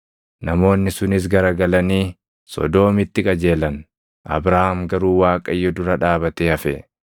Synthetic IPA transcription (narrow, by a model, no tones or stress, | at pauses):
nɐmo̞ːnːɪsʊnɪs̬ɡɐɾɐɡɐlɐniː | sɔ̰d̪o̞ːmɪt̪ːɪkʼɐd͡ʒe̞ːlɐn | ʔɐ̰bɾahɐmɡɐɾuːwaːkʼɐjːɔd̪ʊɾɐᶑaːbɐt̪eːhɐfɛ